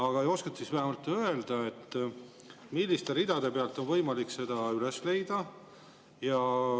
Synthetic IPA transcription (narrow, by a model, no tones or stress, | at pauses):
ɑɡ̥ɑo̞skɑt̪sisvæɦemɑlt̪ːˑø̞eld̪̥ɑe̞t̪ːˑ | milːist̪e̞ɾid̪̥ɑd̪e̞peɑlt̪ːˑonvɤ̞jmɑlikse̞d̪̥ɑylesle̞jd̪̥ɑ | jɑ